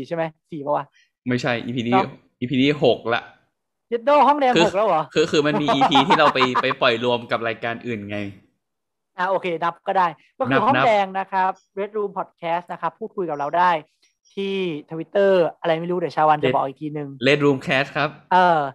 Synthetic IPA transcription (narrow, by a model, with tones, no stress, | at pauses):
iː˨˩t͡ɕʰa˥˩ma˦˥jsiː˨˩˦bɔ˧˩waː˧˩ | ma˥˩jt͡ɕʰa˥˩jʔḭː˧pʰiː˧diː˧ | ʔiː˧pʰiː˧diː˧˩ɦo˨˩k̚la̰˨˩ʔ | t͡ɕe˧˦˥t̪̚noː˥˩ɦɔ˥˩ŋdɛː˧ŋkʰɯː˧˨˩k̚la˦˥wɔː˩˦kʰɯː˧kʰɯː˧ma˧nmiː˧iː˧pʰiː˧t̪ʰiː˥˩ɾa˧wpa˧jpa˧jpɔ˨˩jlu˧əmka˨˩p̚ɾaː˧jkaː˧nʔɯː˨˩nŋa˧j | ʔaː˧˩ʔoː˧kʰeː˧na˦˥p̚kɔː˥˩daː˥˩jkɔ˥˩knː˦˧ɦɔ˥˩n˥dɛː˧ŋna˦˥kʰɾa˦˥p̚ɾe˦˥t̪̚ɾuː˧mpʰɔ˨˩t̪̚kʰɛː˦˥st̪̚na˦˥kʰa˦˥pʰːuː˥˩t̪̚kʰu˧jka˨˩p̚ɾa˧wdaː˥˩j | t̪ʰiː˥˩t̪ʰə˧wi˦˥t̪ːɤː˥˩ʔa˧ɾa˧jma˥˩jɾuː˦˥du˨˩ə˩t͡ɕʰaː˧wa˧nt͡ɕa˨˧˩bɔː˨˩k̚ʔiː˨˩k̚ːiː˧nɯ˨˩ŋle˦˥t̪̚ɾuː˧mkʰɛː˦˥s̚kʰɾa˦˥p̚ʔɤː˧